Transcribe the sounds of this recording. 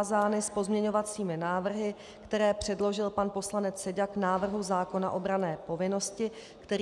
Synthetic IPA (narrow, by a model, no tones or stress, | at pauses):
zaːnɪspo̞zmɲɛɲo̞vat͡siːmɪnaːvr̩ɦɪ | kt̪ɛɾɛːpr̝̥ɛdlo̞ʒɪlpanpo̞slanɛt͡ssɛɟaknaːvr̩ɦuzaːko̞na̰ʔo̞bɾanɛːpo̞vɪno̞scɪ | kt̪ɛɾ